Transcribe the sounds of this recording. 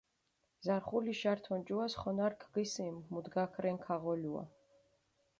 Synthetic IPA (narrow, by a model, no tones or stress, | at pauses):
zaɾχuliʃaɾt̪ʰɔnd͡ʒuasχɔnaɾkʰɡ̥isimːud̪ɡakʰɾɛŋkʰaʁɔlua̰